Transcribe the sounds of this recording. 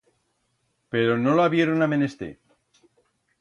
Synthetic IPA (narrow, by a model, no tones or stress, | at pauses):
peɾonolaβje̞ɾonamenest̪ḛ